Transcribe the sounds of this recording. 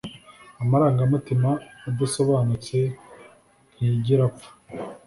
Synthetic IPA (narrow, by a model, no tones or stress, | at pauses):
amaɾaːŋɡamutimaubuso̞βaːnut͡se̞ | iiɟiɾap͡fu̥